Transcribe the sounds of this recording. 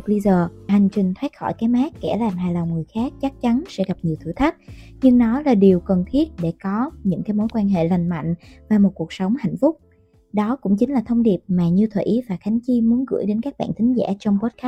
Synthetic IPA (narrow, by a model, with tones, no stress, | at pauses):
ɓə˧zəː˨˩ɦa˨˩jŋ̟t͡ɕï˨˩ŋ̟t̪ʰwe˦˥t̚xɔ̰˧˩jkaː˨˦jmaː˦˥kːɛ̰˧˩laː˨˩mɦaː˨˩jla˨˩wŋ͡mŋɨ˨˩əjxaː˦˥k̚t͡ɕa˦˥k̚t͡ɕa˨˦nsɛ̰˧˥ɣa˨˩p̚ɲi˨˩ət̪ʰɨ̰˧˩t̪ʰa˦˥k̚ɲɨ˧ŋnɔ˨˦laː˨˩ɗi˨˩əwkə˨˩nt̪ʰi˦˥ət̚ɗe˧˩kɔ˨˦ɲɨ̰˧˥ŋkaː˨˦jmo˨˦jkwaː˧nɦḛ˧˨la˨˩jŋ̟ma̰˧˨jŋ̟vaː˨˩mo˨˩t̚ku˨˩ək̚sə˨˦wŋ͡mha̰˧˨jŋ̟fʊ˦˥k͡p̚ | ɗɔ˨˦kʊ̰˧˥ŋ͡mt͡ɕi˨˦ŋlaː˨˩t̪ʰə˧wŋ͡mɗi˨˩əp̚maː˨˩ɲɨ˧t̪ʰwḛ˧˩ʔi˨˦vaː˨˩xa˨˦jŋ̟t͡ɕi˧mu˨˦ənɣɨ̰˧˩əjɗe˨˦nkaː˦˥k̚ɓa̰ː˧˨nt̪ʰï˨˦ŋ̟za̰ː˧˥t͡ɕɔ˧wŋ͡mpo˦˥t̚kaː˦˥